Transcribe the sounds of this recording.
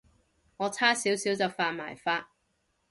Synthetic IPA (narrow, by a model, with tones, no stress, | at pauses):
ŋɔː˨˧t͡sʰaː˥siː˨˥wsiː˨˥wt͡sɐ˨wfaː˧t̚ma̰ː˨˩jfaː˧t̚